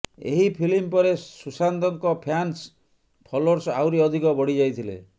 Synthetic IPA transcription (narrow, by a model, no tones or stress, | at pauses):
ḛɦipʰilimpɔɾesusand̪ɔŋkɔpʰans | pʰɔloɾsawɾiɔd̪ʱikɔbɔɽ̤id͡ʒajt̪ʰilḛ